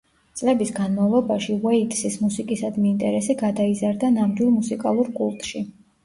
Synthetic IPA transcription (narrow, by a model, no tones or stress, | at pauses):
t̪sʼlɛbisɡanmavlˠɔbaʃiwɛit̪ʼsismusikʼisad̪miːnt̪ʼɛɾɛsiɡad̪aizaɾd̪anamd̪wilˠmusikʼalˠuɾkʼṵlˠt̪ʼʃi